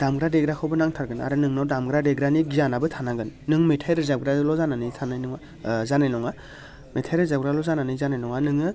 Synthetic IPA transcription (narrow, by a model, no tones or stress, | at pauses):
d̥amɡɾadeɡɾakʰawbɯnaŋtʰaɾɡɯna̰ɾɯnɯŋnawdamɡɾadeɡɾaniɡijanabɯtʰanaɡɯnːɯŋmetʰajɾɯzab̚ɡɾalɔzananijtʰanajnɔŋa | zanajnɔŋa | metʰajɾɯzabɡɾalɔzananɯjzanajnɔŋanɯŋɯ